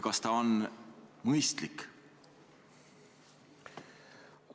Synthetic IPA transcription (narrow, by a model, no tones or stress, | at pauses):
kɑst̪ɑonmɤjst̪lik